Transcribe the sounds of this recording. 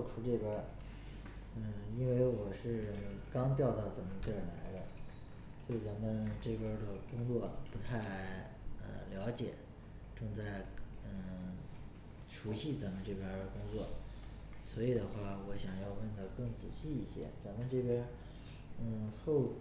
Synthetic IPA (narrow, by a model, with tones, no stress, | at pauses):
ʊʈ͡ʂʰu˧˥ʈ͡ʂɤ˥˩pjɛ˥ | ə˥˧i˥nwe˥˩ɪwɔ˨˩ʂɻ̩˥˩kɑ˥ŋt̪jɑ˥˧ʊt̪ɑ˥˩ʊt͡sa˨˩nmə˧nt̪ə˥˩˨nla˧˥ɪd̪ə˧ | t͡ɕjo˥˩t͡sa˧˥nmə˧nʈ͡ʂɤ˥˩pjɛ˥d̪ə˨kʊ˥ŋt͡swɔ˥˩pu˧˥t̪ʰa˥˩ɪ | ə̰˧ljɑ˧˥ʊt͡ɕjɛ̰˨˩˦ | ʈ͡ʂɤ˥˧ŋt͡sa˥˩ɪə˧˩ | ʂu˧˥ɕi˥˩t͡sa˧˥nmə˧nʈ͡ʂɤ˥˩pjɛ˥kʊ˥ŋt͡swɔ˥˩ | swɔ˧˥i˨˩d̪ə˦xwa˥˩wɔ˧˥ɕjɑ˨˩ŋjɑ˥˧ʊwə˥˩nd̪ə˧kɤ˥˩ŋt͡ɕḭ˨˩ɕi˥˧i˥˩ɕjɛ̰˥t͡sa˧˥nmə˧nʈ͡ʂɤ˥˩pjɛ˥ | ə˥˧xo˥˩ʊ